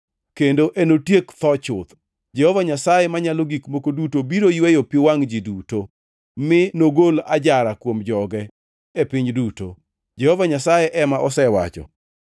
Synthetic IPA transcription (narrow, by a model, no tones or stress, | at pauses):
kendoʔenotjekt̪ɔt͡ʃʊt̪ | d͡ʒɛhɔvaɲasajemaɲaloɡikmokodutobiɾojwejopɪwaŋd͡ʒiduto | mɪnoɡola̰d͡ʒaɾakwomd͡ʒɔɡɛ | epɪɲduto̰ | d͡ʒɛhɔvaɲasajeʔɛmaʔɔsɛwa̰t͡ʃɔ̰